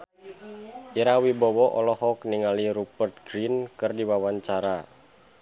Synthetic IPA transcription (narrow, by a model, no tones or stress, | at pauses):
ʔiɾawibɔwɔʔɔlɔhɔkniŋaliɾupərt̪̚ɡɾinkɨrdiwawaɲt͡ʃaɾa